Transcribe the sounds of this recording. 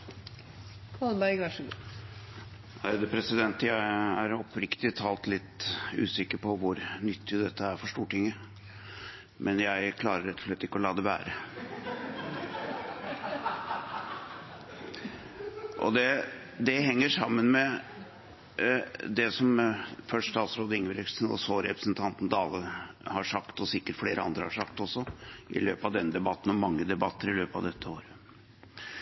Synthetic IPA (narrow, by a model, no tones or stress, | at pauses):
kʰɑlbæɪɡʋɑʂɡ | æɪd̪ɛpʰɾɛsɪd̪ɛnt̪jæɪæɾɔpʰːɾɪkt̪ɪt̪ʰɑːlt̪lɪt̪ːʉ̰ːsɪkːəɾpʰɔʋʊɾnʏt̪ʰːɪd̪ɛt̪ʰːəæɾfɔʂʈuːʈʰɪŋːə | mʔɛnjæɪkʰlɑːɾəɾɛt̪ːɔ̥ʂlɛt̪ːɪkːəɔlɑːd̪ɛʋæ̰ːɾə | ʔɔ̰d̪ɛ | d̪ɛhɛŋːəʂɑmːənmɛ | d̪ɛsɔmfœʂst̪ɑːt̪sɾoːd̪əɪŋːʋəɾɛsnɔ̰soːɾɛpɾəsnt̪ʰɑnt̪n̩d̪ɑːlə | hɑʂɑkt̪ɔsɪkːəʈfleːɾʔəɑ̰nd̪ɾəhɑʂɑkt̪ɔsːɔʔɪ̰løːpɑʋd̪ɛnːəd̪ɛbɑt̪ːn̩ɔmːɑŋːəd̪ɛbɑt̪ːəɾɪløːpɑ̰ʋd̪ɛt̪ʰːəoːɾə